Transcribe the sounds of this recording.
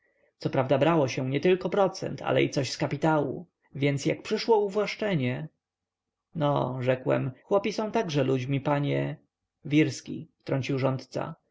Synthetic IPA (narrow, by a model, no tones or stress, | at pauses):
t̪sɔpɾavd̪abɾawɔɕɛ̃ɲɛt̪ɘlkɔpɾɔt̪sɛ̰nt̪ʰa̰lɛ̰it̪sɔɕskapʲit̪awṵ | vʲjɛnt̪sjak̚pʂɘʂwɔuvwaʂt͡ʂɛɲɛ | nɔ̰ʐɛkwɛ̰mxwɔpʲisɔ̃w̃t̪aɡʐɛlud͡ʑmʲipaɲɛ | vʲiɾskʲḭft̪ɾɔɲʲt͡ɕiwʐɔnt̪t̪sa̰